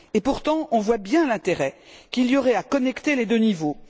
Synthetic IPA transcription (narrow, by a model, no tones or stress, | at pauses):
epuʁt̪ɑ̃ɔ̃vwabjɛ̃lɛ̃t̪eʁɛ | kiljɔʁɛakɔnɛkt̪eled̪ønivo